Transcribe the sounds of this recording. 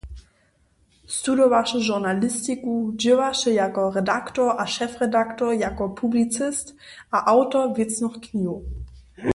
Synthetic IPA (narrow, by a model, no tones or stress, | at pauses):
studovaʃəʒuɐnalɪstikudøvaʃəjakɔʁɛdaktoːɐʔaʃɛfʁɛdaktoːɐjakɔpʰublit͡sɪstʔaʔaʊtɔvɪt͡snɔχknio